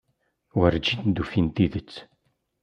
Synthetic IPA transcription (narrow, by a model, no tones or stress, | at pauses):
wəɾd͡ʒind̪ufint̪iðət͡sː